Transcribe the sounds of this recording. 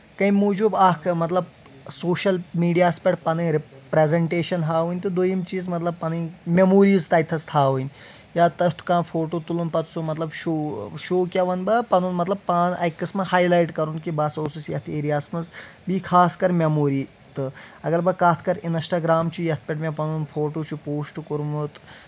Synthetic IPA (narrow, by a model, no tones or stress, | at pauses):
kɐjmuːd͡ʒuːbaːkʰmɐt̪lɐb | soːʃɐlmiːɖijaːspʲɐʈpɐnɨɾpɾezeɳʈeːʃɐnɦaːʋunʲt̪ɨd̪ujimt͡ʃiːzmɐt̪lɐb̚pɐnɨmʲemuːɾiːzt̪ɐːjt̪ʰɐst̪ʰaːʋunʲ | jaːt̪ɐɦt̪ʰu̥kãːnfʰoːʈoːt̪ulunpɐt̪sumɐt̪lɐbʃoːʃoːkʲaʋɐnbɐpɐnuːnmɐt̪lɐb̚paːnɐ̰jkːɐsmɐhaːjlajʈkɐɾunkibasoːsusjɐt̪ʰeːɾijaːsmɐzbiːkʰaːskɐɾmʲemoːɾiː | t̪ɨɐɡɐlbɐkaːt̪ʰkɐɾinsʈaːɡɾaːmt͡ʃijɐt̪̚ʰpʲɛʈmʲapɐnuːnfʰoːʈoːt͡ʃupoːʂʈkuɾmut̪